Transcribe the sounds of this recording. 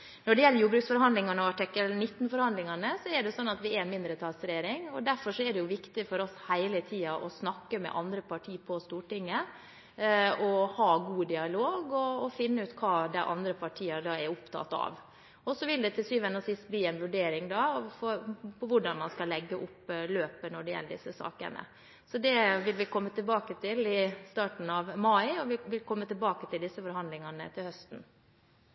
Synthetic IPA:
nɔɖɛjɛlːɾjuːbɾʉksfɔɾhɑnd̪lɪŋɑnəɔɑʈɪkːəlnɪt̪ːn̩fɔɾhɑnd̪lɪŋɑnəsɔɛɖɛsɔnːɑt̪ʋɪɛmɪnd̪ɾət̪ʰɑsəɾeːɾɪŋɔd̪æɾfɔʂɔɛɖɛjʊʋɪkt̪ɪfɔɾɔshæɪlət̪ʰiːɑʔɔsnɑkːəmɛ̰ʔɑnd̪ɾəpʰɑʈʰiːpʰɔst̪uːʈɪŋːə | ɔhɑːɡuːd̪ɪɑloːɡɔːfɪnːəʉːt̪kʰɑːd̪æɪʔɑnd̪ɾəpʰɑʈʰiːɑɖɑːɛɾʊpt̪ʰɑ̰t̪ːɑ̰ːʋ | ɔsɔʋɪld̪ɛt̪ʰɪlsyːʋɛnːəsɪst̪̚bliːɛnʋʉɖeːɾɪŋd̪ɑːfɔɾpʰɔʋʊɖɑnmɑnskɑlːɛɡːəʔʊpːløːpənɔɖɛjɛ̰lːəɖɪ̰sːəsɑ̰ːkə̰nə̰ | sɔd̪ɛʋɪlʋɪkʰɔmːət̪ʰɪlbɑːkət̪ʰɪlɪst̪ɑːʈn̩ɑʋmɑɪɔʋɪʋɪlkʰɔmːət̪ɪlbɑːkət̪ʰɪld̪ɪsːəfɔɾhɑnd̪lɪŋɑnə̰t̪ʰɪlhœst̪n̩

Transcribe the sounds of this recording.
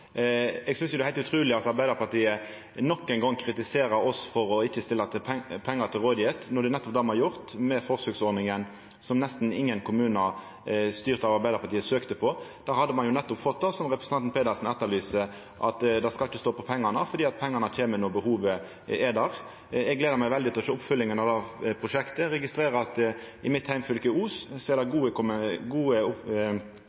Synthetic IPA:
ɛɡsʏnsjʊd̪ɛæhæɪlt̪ʉt̪ʰɾʉːlɪɑt̪ɑɾbæɪd̪əɾpɑʈ̪iːə | nɔkːɛɪnɡɑŋːkʰɾɪt̪ɪseːɾəɔsfɔɾɔɪçːəst̪ɪlːɑt̪ʰɪpʰpʰɛŋːəɾt̪ʰɪlʁoːd̪ɪet̪nɔd̪ɛnɛt̪ːɔpd̪ɑːmɑjʊʁt̪mɛfɔʁsøɡsɔɾd̪nɪŋən | sɔmnɛst̪n̩ɪŋːənkʰʊmʉːnɑ | st̪yːɾt̪ɑʋɑɾbæɪd̪əɾpʰɑɾʈ̪iːəsøːkt̪əpʰɔd̪̥æːhɑd̪əmɑnjʊnɛt̪ːɔpfɔt̪̚d̪ɑsɔmʁɛpɾəsəɑnn̩pʰeːd̪əlsn̩ɛt̪ːəɾlyːsə | ʔɑt̪d̪ɛskɑlɪt͡ʃːəst̪oːpɔpʰɛŋːɑnəfɔɾd̪iːɑt̪̚pʰɛŋːɑnəc͡çʰeːmənoːbəhuːʋə | ɛd̪æʁ | ɛɡleːd̪əmæɪʋɛld̪ɪt̪ɪɔʃøːʊpfʉlːɪŋənɑd̪ɑpʰʁʊʃɛkt̪əɾɛɡɪst̪ɾeːɾəɑt̪ɪmɪt̪hæɪmfʉlkəuːssɔɛɾd̪ɛɡuːəkʊɡuːəʊ

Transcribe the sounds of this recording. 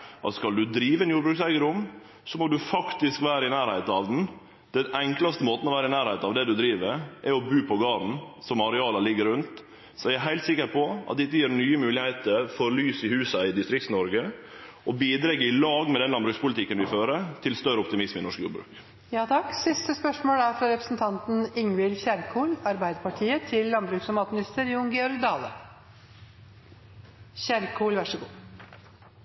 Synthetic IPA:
ʔɑ̰t̪skɑld̪ʉd̪ɾiːʋəɛnjuːbɾʉːksæɪɡəɾʊm | sɔmɔd̪ʉfɑkt̪ɪskʋæːɾəɪnæːɾhæɪt̪ɑʋd̪n̩ | d̪̥ɛnɛŋklɑst̪əmoːt̪ən̩ɔʋæːɾəɪnæːɾhæɪt̪ɑʋd̪ɛd̪ʉd̪ɾiːʋəɾʔɛɾɔbʉːpʰɔɡɑːɾn̩sɔmɑɾɛɑːlɑlɪɡəɾʉnt̪ | sɔææɦæɪlt̪sɪkːəɾpʰɔɑ̰t̪̚d̪ɛt̪ːəjiːɾnyːəmʉːlɪhæɪt̪əɾfɔɾlyːsɪhʉːsɑɪd̪ɪst̪ɾɪk̚t̪snɔɾɡəʔɔbiːd̪ɾɛɡəɪlɑːɡmɛd̪ɛnlɑnbɾʉːkspʰʊlt̪ɪkːənʋɪføːɾəɾt̪ʰɪlst̪œɾəɔp̚t̪ɪmɪsmɪnɔʂkjṵɾbɾʉ̰ːk | jɑːt̪ʰɑkːsɪst̪əspœʂmoːlæɾfɾɑɾɛpɾə̥sn̩t̪ʰɑnt̪n̩ɪŋʋɪlçæɾkʰuːlɑɾbæɪd̪əpʰɑʈʰiːət̪ʰɪlːɑnbɾʉːksɑmɑːt̪mɪnɪst̪əɾjuːŋɡɛɔɾɡd̪ɑːlə̰ | çæɾkʰuːlʋæʂəɡuː

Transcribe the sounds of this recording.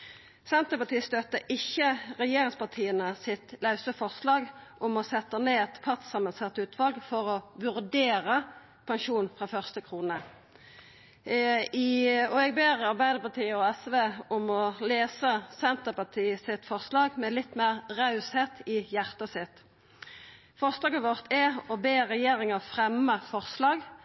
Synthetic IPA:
sɛnt̪əpɑt̪ʰiːst̪œt̪ːəʔɪçːəʁɛjeːʁɪŋspɑʁt̪ʰiːənəsɪt̪lɑʉsəfɔʁslɑːɡʔʊmɔsɛt̪ːəneːɛt̪fʰɑt̪sɑmənsɑt̪ːəʉːt̪ʰʋɑlɡfɔʁɔʋʉʁd̪eːʁə | pʰɑŋʃuːnfʁɑːfœʁst̪əkʰʁuːnə | ɔɛɡbeːʁɑʁbæɪd̪əʁpɑt̪ʰiːəɔɛsʋeːʊmɔleːsəsɛnt̪əpɑt̪ʰiːəsɪt̪fɔʁslɑːɡmɛlɪt̪ːmeːʁʁɑʉsheːt̪ʰɪjæʁt̪əsɪt̪ | fɔʁslɑːɡəʋɔʁt̪ʰɛɔbeːʁɛjeːɾɪŋəfʁɛmːəfɔʁslɑːɡ

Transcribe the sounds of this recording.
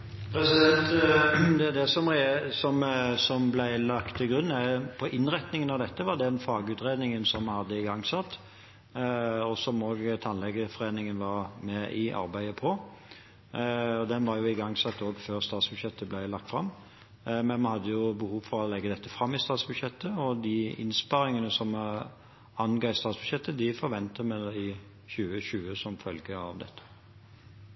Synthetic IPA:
pʰɾɛsɪd̪ɛnt̪d̪ɛd̪ɛsɔmʁɛsɔmsɔmblæɪlɑkt̪ʰːɪlɡɾʉnːæpʰɔʔɪnʁɛt̪nɪŋənɑʋd̪ɛt̪ːəʋɑɾd̪ɛnfɑːɡʉːt̪ɾeːd̪nɪŋənsɔmːɑhɑd̪ːəɪɡɑŋːsɑt̪ː | ɔsɔmoːɡt̪ʰɑnlɛɡəfɔɾeːnɪŋənʋɑɾmɛʔɪʔɑ̰ɾbæɪəpʰɔ | ɔd̪ɛnʋɑɾjʊɪɡɑŋsɑt̪ːoːɡføːʁst̪ɑːt̪sbʉd̪ɕjɛt̪ːəblæɪlɑkt̪fʁɑmː | mɛnmɛnhɑd̪ːəjʊbəhuːʋfɔɾɔlɛɡːəd̪ɛt̪ːəfʁɑmːɪst̪ɑːt̪sbʉd̪ɕjɛt̪ːəɔd̪ɪɪ̰nspɑɾɪŋənəsɔm | ɑnɡɑɪst̪ɑːt̪sb̥ʉd̪ɕjɛt̪ːəd̪ɪfɔɾʋɛnt̪əmɛd̪æɪ | ɕʉːəɕʉːəsɔmfœlɡəɑ̰ʋd̪ɛ̰t̪ʰːə̥

